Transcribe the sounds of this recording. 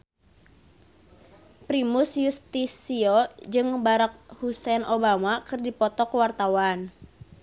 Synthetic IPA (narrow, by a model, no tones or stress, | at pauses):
pɾimusjust̪isiod͡ʒɨŋbaɾak̚husɛnobamakɨrdipɔt̪ɔkəwart̪awan